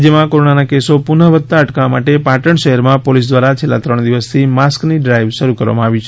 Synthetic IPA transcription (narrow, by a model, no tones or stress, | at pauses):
d͡ʒəmãkoɾoɳanakesopunəʋət̪ːaəʈkaamaʈepaʈəɳʃəɦɛɾmãpolis̬d̪ʋaɾat͡ʃʰelːa̰t̪ɾəɳd̪iʋəst̪ʰimaskniɖɾajʋʃəɾukəɾʋa̰mãaʋit͡ʃʰ